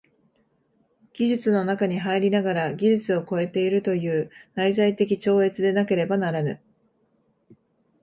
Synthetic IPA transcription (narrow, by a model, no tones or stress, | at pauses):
ɡ̥ʲiʑɨt͡sɨno̞nakaɲ̟iɦaiɾʲinaɡaɾaɡʲiʑɨt͡sɨo̞ko̞e̞t̪e̞iɾɯ̟t̪o̞jɯ̟ːnaizait̪e̞k̬ʲit͡ɕo̞ːe̞t͡sɨd̪e̞nake̞ɾe̞banaɾanɯ̟̰